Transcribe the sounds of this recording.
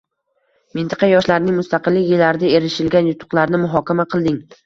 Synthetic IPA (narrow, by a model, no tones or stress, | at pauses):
mɪnt̪ʰɪ̥qʰɑjɒʃlaɾnɪŋmʊst̪aqɨlːɪkʲjɪlːaɾɪd̪aeɾɪʃɪlɡʲanjʊt̪ʰʊ̥qlˠaɾnɪmʊɦɒkʲamaqʰɨlˠd̪ɪŋ